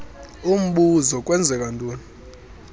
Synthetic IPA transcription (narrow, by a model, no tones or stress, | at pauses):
um̩ɓuzɔk̬ʼwɛnd͡zʱɛk̬ʼantʼuːni